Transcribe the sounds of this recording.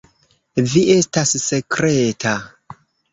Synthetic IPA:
viʔe̞stasse̞kɾetʰa

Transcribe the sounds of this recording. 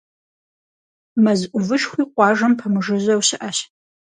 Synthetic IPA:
mɐzʔʷʊvɨʃxʷiːqʷɑːʒɐmpʰɐmɨʐɨzɐwɕɪʔɐɕ

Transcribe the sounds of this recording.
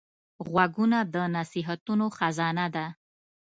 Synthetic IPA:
ɣwaɡunad̪ənasiɦat̪unoxazɑnad̪a

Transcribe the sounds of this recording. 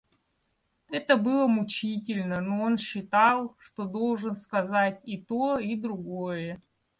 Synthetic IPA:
ɛt̪əbɨlˠəmʊt͡ɕitʲɪlʲnənoonɕːɪt̪ɑlˠʂt̪od̪o̞lˠʐɨnskɐzatʲit̪oid̪ɾʊɡojə

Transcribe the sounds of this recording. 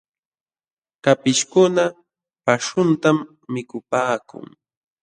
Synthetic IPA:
kapɪʃkʊna | paʂʊnt̪amː | ɪkʊpaːkʊ̰ŋ

